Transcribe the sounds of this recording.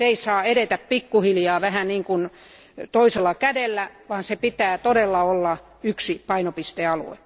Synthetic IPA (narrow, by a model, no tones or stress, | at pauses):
eisɑːeɾet̪æppikːuhiljɑːʋæhæniːŋkun | t̪oiselːɑkædelːæ | ʋɑːnsepit̪æːt̪odelːɑolːɑ | yksipɑinopist̪eɑlṵḛ